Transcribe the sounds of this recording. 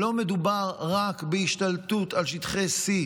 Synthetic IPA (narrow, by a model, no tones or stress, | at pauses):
o̞me̞d̪ubaʁːakbeiʃt̪altutalʃit̪χesi